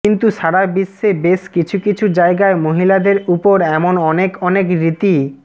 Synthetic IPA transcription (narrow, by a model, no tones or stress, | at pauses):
kint̪uʃaɽabisːebeʃkit͡ɕʰukit͡ɕʰud͡ʑaeɡaemoɦilad̪eɾupoɾɛmonɔnekɔnekɾit̪i